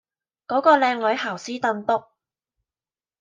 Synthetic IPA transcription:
kɔː˨˥kɔː˧lɛː˨˧ŋlɵ˨˥ɥhaː˨˩wsiː˥t̪ɐ˧nt̪ʊ˥k̚

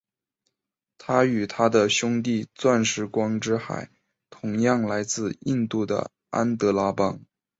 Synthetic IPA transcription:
t̪ʰa˥y˨˩t̪ʰa˥d̪ə˨ɕʊ˥ŋt̪̬i˥˧t͡swa˥˩nʂɻ̩˧˥kwɑ˥ŋʈ͡ʂɻ̩˥xa̰˨˩˦ɪ | t̪ʰʊ˧˥ŋjɑ˥˩ŋla˧˥ɪt͡sɹ̩˥˧i˥˧nt̪u˥˩d̪ə̰˩ | a̰˥nt̪ɤ˧˥la˥pɑ˥ŋ

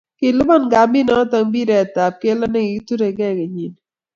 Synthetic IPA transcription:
kɪ˨lʊ˦bɔ˦˨nɡa˨mbi˦nɔ˦t̪a˨ŋbi˦ɾɛ˨t̪a˨p̚ke˦lɔ˦nɛ˦ɡɪ˨ɡt̪u˦ɾe˨ɡɛ˦ɡe˨ɲi˨n

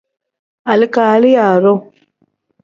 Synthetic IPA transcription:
a˨lɪ˦kaː˨˦li˦ja˨ɾo˦

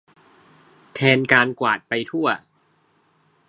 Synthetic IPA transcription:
t̪ʰɛː˧nkaː˧nkwaː˨˩t̪̚pa˧jt̪ʰu˥˩ɐ

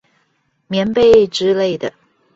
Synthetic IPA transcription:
mjɛ˧˥npe˥˧ɪʈ͡ʂɻ̩˥le˥˩ɪd̪ə˩

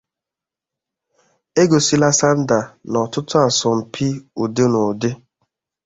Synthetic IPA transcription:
e˦ɡo˨si˦la˦sa˦n̩˦da˨nɔ˨tʊ˦tʊ˦a˨sʊ˨m̩˨pʰi˦o˨de˦no˨de˦

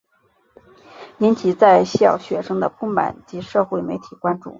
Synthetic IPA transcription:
i˧˥nt͡ɕʰi˨˩t͡sa˥˧ɪɕjɑ̰˥˩ʊɕɥɛ˨˩ʂɤ˥ŋd̪ə˨pʰu˥ŋma̰˨˩˦nt͡ɕi˧˥ʂɤ˥˧xwe˥˩ɪme˧˥ɪt̪ʰi˨˩kwa˥nʈ͡ʂṵ˥˩

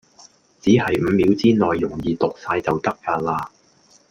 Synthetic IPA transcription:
t͡siː˨˥ɦɐ˨jm̩˨˧mi˨˥wt͡siː˥nɔː˨˩jːʊ˨˩ŋjiː˨˧t̪ʊ˨k̚saː˧jt͡sɐ˨wt̪ɐ˥k̚faː˧t̚laː˧

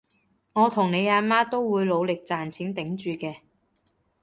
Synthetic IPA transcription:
ŋɔː˨˧t̪ʰʊ˨˩ŋne˨˧jaː˨˧maː˥t̪o˥wwuː˨˧jlo˨˧wlɪ˨k̚t͡saː˨˩nt͡sʰiː˨˥nt̪ɪ˨˥ŋt͡ʃyː˨kɛː˧

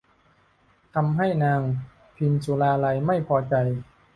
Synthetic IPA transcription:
t̪ʰa˧mɦa˥˩jnaː˧ŋ | pʰi˧nsu˨˦laː˧la˧jma˥˩jpʰɔː˧t͡ɕa˧j

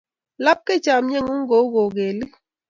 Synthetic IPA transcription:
la˦p̚ke˦˨t͡ʃa˨m˦ɲe˦ŋu˦ŋ̩˦ɡo˨˦ɡo˨ɡe˨li˦

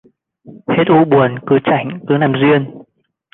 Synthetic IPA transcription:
he˦˥t̚ʔu˧ɓu˨˩ənkɨ˨˦t͡ɕa˧˩jŋ̟k̪ɨ˨˦naː˨˩mzwi˧ən

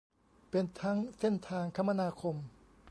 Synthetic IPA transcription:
pe˧nt̪ʰa˦˥ŋse˥˩nt̪ʰaː˧ŋkʰa˦˥˩mːa˧naː˧kʰo˧m

